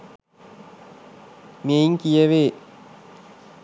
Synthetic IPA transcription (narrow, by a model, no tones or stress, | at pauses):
mejiŋkijɐʋeː